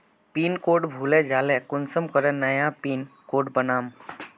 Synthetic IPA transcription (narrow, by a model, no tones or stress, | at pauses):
piːnkoːʈbʱuːled͡ʒaːlɛkʊnsəmkəɾɛ̃nəjãpiːnkoːʈbənaːm